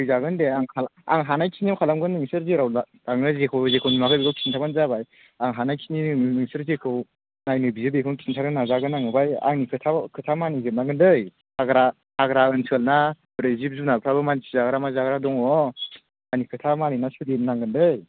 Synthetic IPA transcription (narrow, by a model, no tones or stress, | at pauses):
ɯjzaɡɯndeaŋkʰala̰ŋɦanajkʰiniawkʰalamɡɯnːɯŋsɯɾzeɾaw | aŋɯzekʰɯwzekʰɯwnimakʰɯbikʰɯwkʰisintʰaɡɯnzabaj | aŋɦanajkʰininɯŋsɯɾzekʰɯw | najnɯbizebekʰɯnkʰisintʰaɾɯnazaɡɯnaŋɯbaja̰ŋnikʰɯtʰakʰɯtʰamanizep̚naŋɡɯndɯj | aɡɾa | haɡɾaɯnsʰɯlna | bɾezip̚zunalpʰɾabɯmansizaɡɾamazaɡɾadɔŋɔ | anikʰɯtʰamaninasudip̚naŋɡɯndɯj